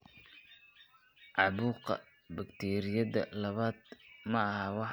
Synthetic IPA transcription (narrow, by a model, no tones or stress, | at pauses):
ʕɑβuːqɐ̰ | bɐkt̪ʰɛːɾɪjɐðɐ̰lɐβaːd̪mɐɐhɐwɑħ